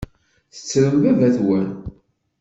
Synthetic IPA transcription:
θə̥t͡sːɾəmbævæθwæn

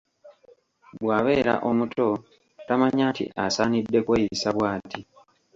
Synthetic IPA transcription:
bwaːβe̞ːɾa̰ʔomutʰo̞ | tamaɲaːntḭʔasaːnidːe̞kweːjisaβwaːti

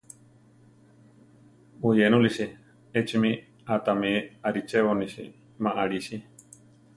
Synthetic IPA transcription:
ojenũlisi | et͡ʃimĩ | at̪amẽaɾit͡ʃeβonĩʃḭ | mãʔaɾiʃi

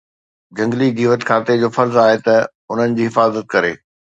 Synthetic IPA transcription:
d͡ʑɐ̃ŋɡliɡiːʋət̪kʰaːt̪ed͡ʑoːfɐɾzaːɦet̪ɐ | ʊn̤ənɪ̆d͡ʑiːɦɪfaːzət̪̚kɐɾeː

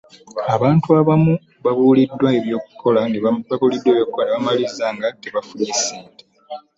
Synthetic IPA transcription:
aβaːntuaβamu | βaβuːlidːwae̞βjo̞ːku̥kʰo̞laneβakolidːweβjoːk̚kːoneβamalizaŋɡateβafuliːsiːte

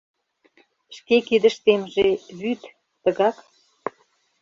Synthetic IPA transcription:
ʃkekid̪ə̆ʃt̪emʒeβyt̪ː | ə̆ɣɑk

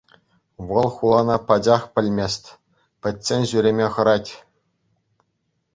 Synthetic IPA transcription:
ʋɤ̆lˠχulˠɑnɑpɑd͡ʑɑχpʲɘ̆lʲmʲesʲtʲ | pʲɘ̆tʲsʲenʲʑyɾʲemʲeχɤ̆ɾɑtʲ

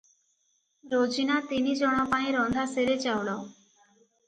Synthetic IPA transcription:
ɾod͡ʒinat̪inid͡ʒɔɽ̃ɔpaĩɾɔ̃nd̪ʱaseɾet͡ʃawɽɔ

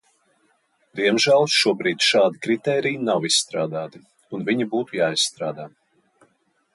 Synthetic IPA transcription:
d̪̥iɛmʒælˠʃuɔbɾiːd̪ʲʃaːd̪ikɾit̪ɛːɾijnawisst̪ɾaːd̪aːt̪i | unviɲibuːt̪ujaːisst̪ɾaːd̪aː

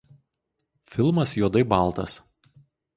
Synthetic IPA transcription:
fʲɪlˠmɐsjuɔd̪ɐɪbɑlˠt̪ɐs

